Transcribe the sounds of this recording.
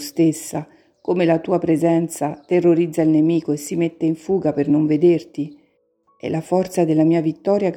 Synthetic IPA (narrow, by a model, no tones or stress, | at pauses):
st̪esːa | komelat̪uːapɾezɛnt̪sat̪erːoɾid̪zailnemiːkoesːimet̪ːeiɱfuːɡapernoɱved̪ert̪i | ɛ̰lafɔrt̪sad̪elːamiːavit̪ːɔːɾjak